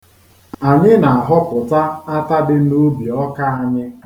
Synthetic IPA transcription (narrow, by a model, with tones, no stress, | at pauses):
a˨ɲɪ˦na˨a˨ɦɔ˦pʊ˨ta˦a˦ta˦dɪ˦n̩˦no˦bi˨ɔ˦ka˦a˦ɲɪ˦